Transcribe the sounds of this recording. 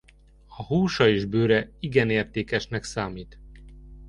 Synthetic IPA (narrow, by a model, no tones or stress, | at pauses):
ɒhuːʃɒeːʒbøːɾɛiɡɛneːrt̪eːkɛʃnɛksaːmiːt̪